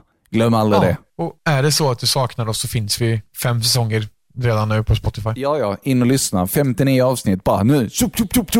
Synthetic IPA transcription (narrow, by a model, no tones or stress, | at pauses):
ɡ̥lœmːald̪ɾɪd̪ɛɔæɖɛsɔat̪̚d̪ɵsɑːknaɾɔsːɔfɪnsvɪfɛmːsɛsɔŋːəɾ | ɾeːd̪anːʉ̟ːpʰɔspɔt̪ːɪfajjɑːjɑːɪnːɔlʏsnafɛmt̪ɪniːəɑːvsnɪt̪̚ːbɑːɾa̰nʉ̟ːsɵpʰupːt̪ʰupːt̪ʰ